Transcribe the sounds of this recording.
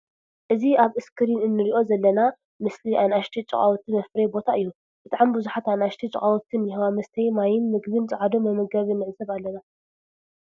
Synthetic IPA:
ʔɨziaβɨskʰɨɾinɨnːɨɾiʔo̞zɐlːɐna | mɨsliʔanʔaʃt̪ʰit͡ʃʼɨ̰χʼawɔt̪ʰɨmɐfɾebo̞t̪ʰaʔɨjːu | b̥ɨt̪ʼaʕambuzuħat̪anaʃt̪ʰit͡ʃʼχʼawɔt̪ʰːɨnjihɐwamɐst̪ʰɐjmajɪnmɨɡbɨnt͡sʼɨʕad̪omɐmɐɡɐβiɨnːɨʕzɐβalːɐna

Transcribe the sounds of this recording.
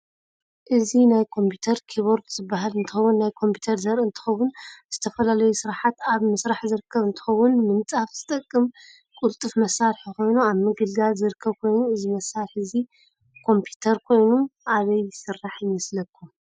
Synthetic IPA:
ʔɨzinajkʰo̞mpʰut̪ʰɐɾkʰiβoɾd̪z̥ɨbːaɦalɨnt̪ʰɨxɐwːʊnːajkʰo̞mpʰu̥t̪ʰɐɾzɐɾʔɨnt̪ʰɨ̥xɐwːʊnz̥ɨt̪ʰɐfɐlalɐjusɨɾaħat̪aβmɐsɾaħzɨɾɨkʰːɐβɨnt̪ʰɨ̥xɐwːʊnmɨnt͡sʼafz̥ɨt̪ʼɐkʼːɨm | kʼult̪ʼɨfmɐsaɾħiko̞jnuaβmɨɡɨlɡ̪alzɨɾɨkʰːɐβkʰo̞jnuɨzimɐsːaɾħɨzi | kʰo̞mpʰut̪ʰɐɾkʰo̞jnuʔaβɐjɪsɨrːaħɨjmɐslɐkʰːum

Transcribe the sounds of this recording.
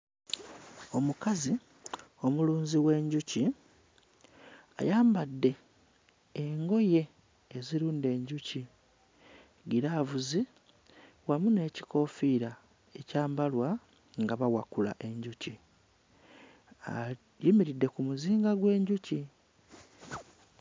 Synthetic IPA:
o̞mukazi | o̞muluːnziwe̞ɲɟuci | a̰jaːmbadːe̞ː | ŋɡo̞je̞ː | ziɾuːnde̞ːɲɟuci | ɡiɾaːvuzi | wamune̞ːci̥ko̞fiːɾa | e̞caːmbalwa | ŋɡaβawa̰kula̰ʔe̞ɲɟuci | a̰ | jimiɾidːe̞kumuziːŋɡaɡwe̞ːɲɟuci

